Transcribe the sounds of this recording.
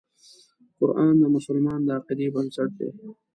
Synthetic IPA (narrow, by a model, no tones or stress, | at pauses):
qʊɾɑːnd̪əmʊsʊlmɑːnd̪əaqid̪ibɐnsɐʈ̚d̪ḛː